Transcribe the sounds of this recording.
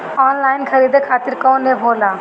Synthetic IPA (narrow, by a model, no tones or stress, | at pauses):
ɔːnlaːɪnkʰəɾiːd̪ekʰaːt̪ɪɾkɔːnːebʱoːlaː